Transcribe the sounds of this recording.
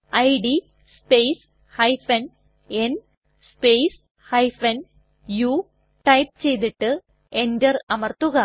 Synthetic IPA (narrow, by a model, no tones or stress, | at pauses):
ɐjɖi | spejs | hɐjfɐn | en | spejs | hjfɐn | juː | ʈɐjp̚t͡ɕejt̪̬iʈːɨ | endɐrɐmɐrt̪uɣɐ